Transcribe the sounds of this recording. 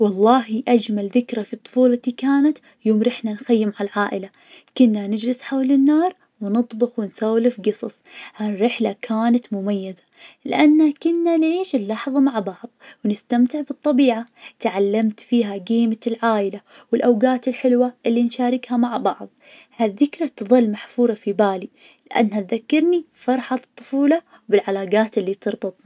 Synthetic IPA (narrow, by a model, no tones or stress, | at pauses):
wɑlˤːɑːɦiʔad͡ʒmalðɪkɾafit̪ˤːʊ̥fuːlt̪ikaːnat̪ | joːmɾɪħnanxajːɪmʕalʕaːʔɪla | kʊnːanɪd͡ʒlɪsħawlɪnːɑːɾˤ | wnɨt̪ˤbɪxwɪnsawlɪfɡɨsˤɑ̰sˤharːɪħlakʰaːnat̪mʊmajːɪza | lɪ̰ʔanːakʊnːanʕiːʃɪlːɑħðˤɑmaʕbɑʕðˤwnɪst̪amt̪ɪʕbɨt̪ˤːɑbiːʕat̪ʕalːamt̪fiːɦaɡiːmalʕaːʔɪla | wɪlʔawɡaːt̪ɪlħɪlwaʔɪlːinʃaːɾɪkhamaʕbɑʕðˤ | haðːɪkɾˤɑt̪ðˤɨlːmaħfuːɾˤɑfibaːli | lɪʔa̰nːhat̪ðakːɑɾni | fɑɾˤħat̪ˤːʊ̥fuːlɑ | bɪlʕalaːɡaːt̪ɪlːit̪ɨɾˤbɨt̪ˤ